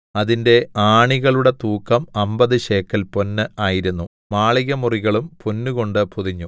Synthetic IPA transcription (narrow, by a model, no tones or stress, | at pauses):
ɐðinde̞aːɳiɣɐɭuɽe̞t̪uːkːɐmɐmbɐðɨɕe̞ːkːɐlponːɨaːjiɾunːu | maːɭiɣɐmuriɣɐɭumponːuɣo̞ɳɖɨpuðiɲːu